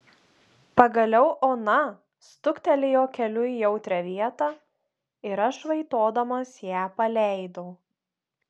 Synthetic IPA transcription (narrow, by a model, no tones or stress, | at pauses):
pɐɡɐlʲɛʊʔoːnɐ | st̪ʊkt̪ʲɛlʲɪjoːkʲɛlʲʊjɛʊt̪ʲɾʲɛʋʲiɛt̪ɑ | ɪɾɐʃʋɐɪt̪oːd̪ɐmɐsjæːpɐlʲɛˑɪd̪oʊ